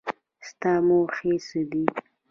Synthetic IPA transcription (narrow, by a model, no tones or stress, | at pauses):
st̪ɑmoxesəd̪i